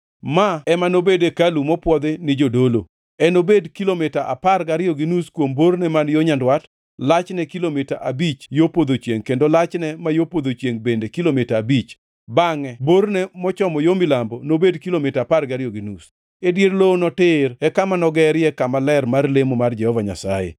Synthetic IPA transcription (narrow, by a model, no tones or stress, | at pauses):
maɛmanobedekalumɔpwɔd̪ɪnɪd͡ʒodolo | ɛnobedkilomɪtaʔa̰parɡaɾjoɡinuskwomboɾnɛmanjoɲandwat | lat͡ʃnɛkilomita̰ʔabit͡ʃjopod̪ot͡ʃjeŋkendolat͡ʃnɛmajopod̪ot͡ʃjeŋbendekilomitaːbit͡ʃ | baŋɛbornɛmɔt͡ʃɔmɔjomɪlambɔnobedkilomɪtaːparɡaɾjoɡinus | edjeɾlonɔtɪɾɛkamanɔɡɛɾjɛkamalɛrmarlemomard͡ʒɛhɔvaɲa̰sajḛ